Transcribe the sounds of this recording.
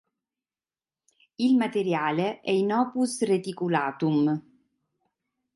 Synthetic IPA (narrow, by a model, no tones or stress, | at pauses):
ilmat̪eɾjaːleʔɛinɔːpusret̪ikulaːt̪um